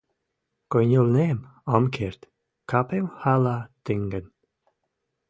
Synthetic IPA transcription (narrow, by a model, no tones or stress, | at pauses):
kɔjnulneːmɔmkʰeɾt̪ | kʰapemhalat̪ɪŋɡən